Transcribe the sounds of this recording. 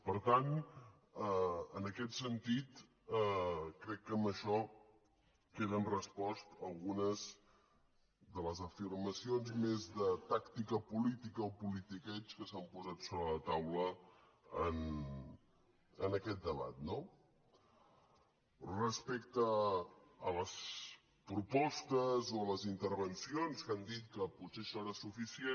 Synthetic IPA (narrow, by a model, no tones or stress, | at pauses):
pəɾt̪an | əənəkɛt̪sənt̪it̪ | kɾɛkːəmbəʃɔ | keðənrəspɔst̪əlˠɣunəz | ðələzəfirməsionzmezðət̪akt̪ikəpulit̪ikəopulit̪ikɛt͡ʃkəsampuzat̪soβɾələt̪awlə | ən | ənəkɛt̪̚d̪əβa̰t̪̚no | rəspek̚t̪əː | ləs | pɾupɔst̪əzoələzint̪əɾβənsionskand̪it̪̚kəput̪seʃɔeɾəsufisie